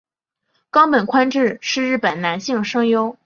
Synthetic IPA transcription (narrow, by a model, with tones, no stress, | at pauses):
kɑ˥ŋpə˨˩nkʰwa˥nʈ͡ʂɻ̩˥˩ʂɻ̩˥˧ɻɻ̩˥˩pə˨˩nna˧˥nɕi˥˩ŋʂɤ˥ŋjo˥ʊ